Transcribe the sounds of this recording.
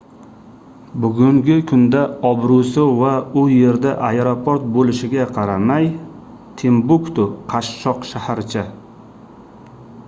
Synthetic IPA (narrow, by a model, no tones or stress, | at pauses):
bʊɡʲʊŋɡʲɪkʰʊnd̪aɒbɾusɪvaʊje̞ɾd̪aʔaeɾopʰoɾt̪̚bolɪʃɪɡʲaqʰɑɾamaj | t̪ʰembʊkt̪ʊqʰɑʃːɒqʃahaɾt͡ʃʰɪ